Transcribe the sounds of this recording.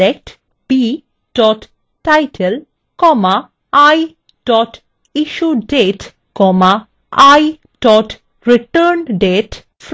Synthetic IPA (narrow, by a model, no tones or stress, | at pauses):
ek̚ʈ | b̥i | ɖ̥ɔʈ | ʈajʈʰel | kɔma | aj | ɖ̥ɔʈ | iʃuɖeʈ | kɔma | aj | ɖ̥ɔʈ | ɾiʈəɾnɖeʈ | f